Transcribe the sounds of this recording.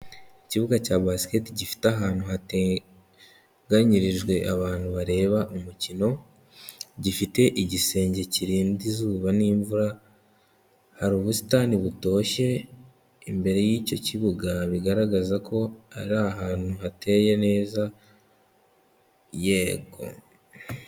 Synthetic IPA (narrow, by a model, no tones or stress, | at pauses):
iciβuɡacaːβasi̥ke̞tiɟifi̥taɦaːnhuhate | ɡaɲiɾiʒɡwe̞ʔaβaːnhuβaɾe̞ːβaʔumucino̞ | ɟifite̞ʔiɟise̞ːɲɟe̞ciɾiːndizuːβaniːɱvuɾa | haɾuːβusi̥taniβuto̞ːʃe̞ | imbe̞ɾe̞jiːco̞ciβuɡaβiɡaɾaɡazako̞aɾaɦaːn̥huhatʰe̞ːje̞ne̞ːza | je̞ɡo̞̰